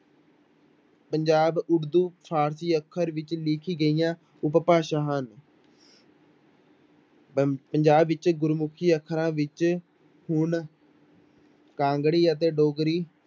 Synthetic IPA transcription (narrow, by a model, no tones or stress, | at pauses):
pəɲd͡ʒaːbʊɽd̪uːpʰaːɾsiːəkʰːəɾʋɪt͡ʃlɪkʰiːɡəijãː | ʊppaːʃãːɦən | pəɲd͡ʒaːbɪt͡ʃɡʊɾmʊkʰiːəkʰːəɾãːʋɪt͡ʃ | hʊɳ | kãːŋɡɽiːət̪̬eːɖoːɡɾiː